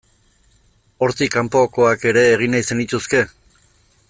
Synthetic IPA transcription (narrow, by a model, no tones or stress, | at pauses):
o̞ɾt̪ikampo̞ko̞ake̞ɾe̞ːɣ̞inajse̞nit̪uske̞